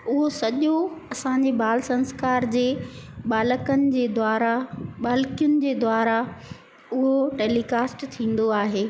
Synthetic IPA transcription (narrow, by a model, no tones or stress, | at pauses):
ʊɦosɐʄoɐsãɲ̆d͡ʑebaːlsɐ̃nskaːɾd͡ʑeːɓaːləkənɪ̆d͡ʑeːd̪aːɾaɓaːlkijʊnɪ̆d͡ʑeːd̪waːɾa | ʊɦoʈeːlikaːsʈt̪ʰĩːn̆d̪oaːɦeː